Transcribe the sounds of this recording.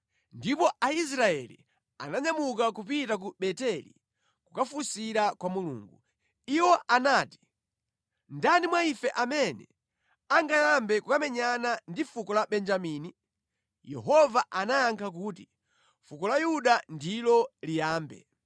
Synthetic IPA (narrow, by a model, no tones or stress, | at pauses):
ndipɔais̬ɾaɛ̰lḭ | a̰naɲamukakupitak̬uɓɛtɛlḭ | kukafusiɾakwamulṵːŋɡu | iwɔʔanaːti̥ | ndanimwaifɛʔamɛnɛ̰ | aŋɡajambɛkukamɛɲanandifukɔlaɓɛnd͡ʒamiːni | jɛ̰ɦɔvaʔanajaŋkʰak̬uːti | fukɔlajuɗandilɔlijaːmbɛ̰